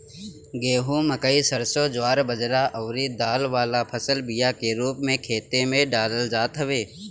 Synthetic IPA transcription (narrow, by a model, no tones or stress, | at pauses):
ɡeːɦũməkəisəɾsod͡ʒʊaːɾbəd͡ʒɾaʔɐːɾid̪aːlʋaːlapʰəsəlbɪjakeɾuːpmẽkʰeːt̪emẽɖaːləld͡ʒaːt̪ɦəʋeː